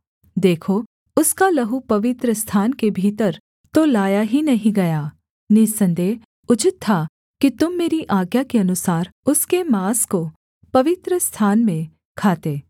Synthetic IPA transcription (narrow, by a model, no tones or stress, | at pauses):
d̪eːkʰo | ʊskalɐɦupɐʋɪt̪ɾəst̪ʰaːnkebʱiːt̪əɾ | t̪olaːjaɦinɐɦĩɡɐjaː | nisɐ̃nd̪eːɦ | ʊt͡ʃɪt̪tʰːa | kit̪ʊmːeːɾiʔaːɡjakeɐnʊsaːɾʊskemaːsko | pɐʋɪt̪ɾəst̪ʰaːnmẽ | kʰaːt̪eː